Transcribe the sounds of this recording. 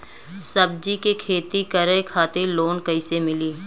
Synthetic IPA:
sɐbd͡ʒikekʰeːt̪ikɐɾekʰaːt̪eloːnkɐɪsemɪliː

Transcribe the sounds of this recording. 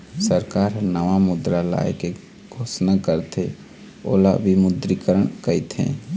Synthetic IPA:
səɾkaːɾnəʋamʊd̪ɾala̰jke | ɡʱosnakəɾt̪e | o̰ːla̰bʱimʊd̪ɾikəɾəɳkəit̪ɦɛ̰̃

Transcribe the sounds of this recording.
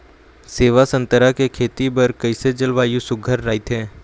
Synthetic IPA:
seːʋasɐ̃nt̪əɾakekʰeːt̪ibɐɾkɐɪsed͡ʒɐlʋaːjusʊɡʱəɾːaːit̪ɦɛ̃ː

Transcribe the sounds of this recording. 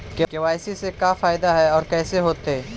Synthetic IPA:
kekeʋaːɪsisekafaːɪd̪aɦɛɔːɾkɛːseɦoːt̪eɦɛː

